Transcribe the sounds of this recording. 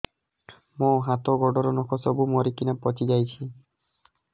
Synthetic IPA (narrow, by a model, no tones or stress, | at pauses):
mɔɦat̪ɔɡɔɖɔɾɔnɔkʰɔsɔbumɔɾikinapɔt͡ʃid͡ʒajt͡ʃʰi